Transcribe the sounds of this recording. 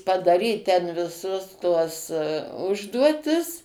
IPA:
pɐdɐˈrʲiːt ˈtʲɛn ʋʲɪˈsʊs tuɔs ˈʊʒduɔtʲɪs

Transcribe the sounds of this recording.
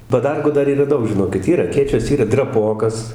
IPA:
pɐˈdɐrɡuː ˈdɐr iːˈrɐ ˈdɐʊk ʒʲɪˈnoːkʲɪt ˈiːr ɐˈkʲeːt͡ʃʲoːs ˈiːrɐ drɐˈpoːkɐs

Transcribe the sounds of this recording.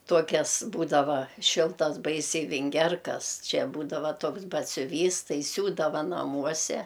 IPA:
ˈtuɔkʲɛzˈbuːdɐʋɐ ˈʃʲɪlˠtɐs ˈbɐɪsʲɛɪ ʋʲɪŋʲˈɡʲɛrkɐs ˈt͡ʃʲɛ ˈbuːdɐʋɐ ˈtuɔks bɐtʲsʲʊˈʋʲiːs ˈtɐɪ ˈsʲuːdɐʋɐ nɐˈmuɔsʲɛ

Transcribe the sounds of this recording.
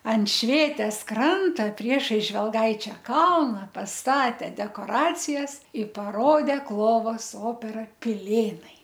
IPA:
ɐn ˈʃʲʋʲeːtʲeːs ˈkrɐntoː ˈpʲrʲiɛʃɐɪs ʒʲʋʲɛlˠˈɡɐɪt͡ʃʲɛ ˈkɐlˠnɐ pɐsˈtɑːtʲɛ dʲɛkoːˈrɑːt͡sʲɪjɛs ɪ pɐˈroːdʲeː ˈklˠoːʋoːs ˈoːpʲɛrɐ pʲɪˈlʲeːnɐɪ

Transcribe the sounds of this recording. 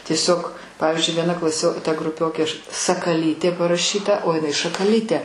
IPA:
tʲiɛˈsʲoːk ˈpɑːʋʲɪzʲd͡ʒʲʊɪ ʋʲiɛˈnɐ klˠɐˈsʲoː tɐ ɡrʊˈpʲoːkʲeː ɐʃ sɐkɐˈlʲiːtʲeː pɐrɐˈʃʲiːtɐ oː jɪˈnɐɪ ʃɐkɐˈlʲiːtʲeː

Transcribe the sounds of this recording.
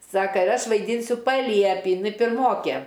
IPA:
ˈsɑːkɐ ɪr ˈɐʃ ʋɐɪˈdʲiːnʲsʲʊ pɐˈlʲiɛpʲiː jɪˈnɐɪ pʲɪrˈmoːkʲeː

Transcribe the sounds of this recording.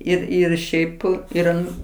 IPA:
ˈɪr ɪr ˈʃʲɛɪp ɪr ˈɐn

